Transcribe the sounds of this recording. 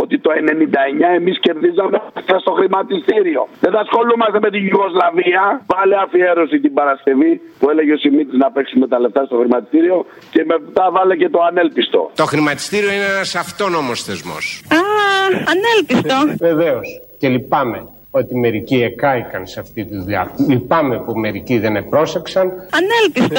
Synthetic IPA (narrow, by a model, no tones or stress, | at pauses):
o̞t̪it̪o̞e̞ne̞nind̪ɐeɲɐe̞misce̞ɾðizɐmeft̪ɐst̪o̞xɾimɐt̪ist̪iɾio̞ðeθɐsxo̞lumɐst̪e̞me̞t̪iʝuɣo̞zlɐviɐvɐleɐfie̞ɾo̞sit̪ibɐɾɐsce̞vipue̞le̞ʝeo̞simit̪iznɐpe̞ksume̞t̪ɐle̞ft̪ɐst̪o̞xɾimɐt̪i̥st̪iɾio̞ | ce̞mept̪ɐvɐlece̞t̪o̞ɐne̞lpist̪o̞̰t̪o̞xɾimɐt̪i̥st̪iɾioineenɐsɐft̪o̞no̞mosθezmo̰saɐnelpist̪oveveos | ce̞lipɐme̞ | o̞t̪ime̞ɾiciekɐikɐnseɐft̪it̪iðuɐlipɐmepume̞ɾiciðe̞nepɾo̞se̞ksɐnɐnelpist̪o